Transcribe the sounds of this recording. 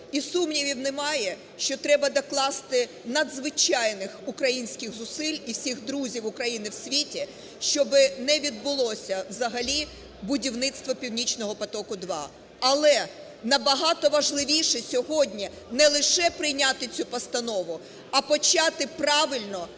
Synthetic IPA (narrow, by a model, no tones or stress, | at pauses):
isumnʲiʋʲiwnɪmɑjɛ | ʃt͡ʃɔt̪ɾɛbɐd̪ɐklˠɑst̪ɪ | nɐd̪zʋɪt͡ʃɑjnɪxʊkɾɐjinʲsʲkʲɪɣzʊsɪlʲiwsʲixd̪ɾuzʲiwʊkɾɐjinɪwsʲʋʲitʲi | ʃt͡ʃɔbɪnɛʋʲid̪̚bʊlˠɔsʲɐwzɐɦɐlʲi | bʊdʲiwnɪt̪st̪ʋɔpʲiwnʲit͡ʃnɔɦɔpɐt̪ɔkʊd̪ʋɑ | ɐlˠɛ | nɐbɐɦɑt̪ɔʋɐʒlˠɪʋʲiʃɛsʲɔɦɔdʲnʲi | nɛlˠɪʃɛpɾɪjnʲat̪ɪt͡sʲupɐst̪ɐnɔʋʊ | ɐpɔt͡ʃɑt̪ɪpɾɑʋɪlʲnɔ